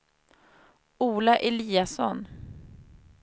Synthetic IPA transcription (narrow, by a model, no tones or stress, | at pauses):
uːlaʔɛliːasɔ̰n